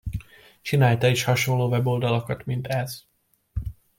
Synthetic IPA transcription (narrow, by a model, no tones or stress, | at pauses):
t͡ʃinaːlt̪ɒiʃhɒʃonloːvɛbo̞ld̪ɒlokɒt̪mint̪ɛz̥